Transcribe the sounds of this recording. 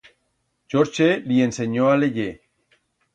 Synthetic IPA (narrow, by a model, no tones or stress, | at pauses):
t͡ʃoɾt͡ʃelienseɲoaleʝe